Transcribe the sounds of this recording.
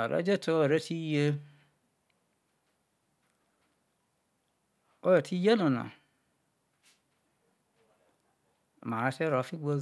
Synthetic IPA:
a˨ɾḛ˦d͡ʒe˦tʰo˦˨ɾe˦tʰi˦je˦ | o˦je˨tʰi˦je˦no˨na̰˨ | ma˨a˨˦te˦ɾo˨fi˦ɡo˦

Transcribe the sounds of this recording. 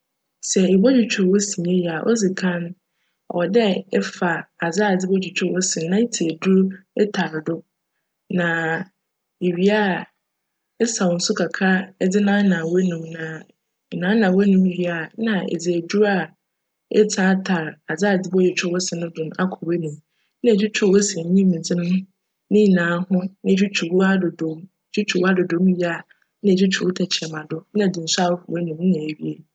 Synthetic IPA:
sɛ˨e˨bɔ˦d͡ʑi˨t͡ɕʰᶣɔ˨wɔ˦si˨ne˦ja˨ʔɔ̰˦d͡zɪ˨kʰã˦n˨ | wɔ˨dɛ˦ɛ˦fa˨a˨d͡zaː˦˨d͡zɪ˦bɔ˦d͡ʑᶣi˨t͡ɕᶣɛ˦wɔ˦sɪ̃˨nnã˦i˦tʰi˨du˦ɾɛ˦tʰa˨ɾdʊ˦ | nã˨ | e˨ɥi˦a˦˨ | ɛ˦sa˨wɔ˨n̩˨sʊ˦kʰa˨kʰa˦dɪ˦nã˦nã˨wɔ˦nũ˨mnã˨ | nã˨˦nã˨wɛ˦nũ˨˦ji˦a˨˦nã˨ḛ˨d͡zi˨æ˨du˦ɾa˦˨ | ɛ̰˦tʰa˦tʰa˨ɾa˨d͡za˦˨d͡zɪ˦bɔ˦jɛ˨t͡ɕʰᶣɔ˦wɔ˦sɪ˨nʊ̃˦dʊ̃˨n˦a̰˦kʰɔ˨we˦nũ˨m˦ | nã˨d͡ʑᶣi˦t͡ɕʰᶣʊ˦˨wo˦sɛ̃˨ɲĩ˦mĩ˨d͡zɪ˦nʊ̃˦m˦ | nɪ̃˦˨nãː˨˦hʊ̃˦ñ˦˨d͡ʑᶣu˦t͡ɕʰu˨wa˦dʊ˨dõ˨˦m˨˦d͡ʑᶣu˦t͡ɕʰu˨wa˦dʊ˨dõ˨˦m˦ɥi˦a˨ | nã˨d͡ʑᶣi˦t͡ɕʰu˨o˦tʰa˨t͡ɕʰɛ˨mã˨dʊ˦nã˨dɪ̃˨n̩˨sa˦˨wɔ˦fʊ˨we˦nũ˨mn˦nã˨e˨ɥi˦e˦

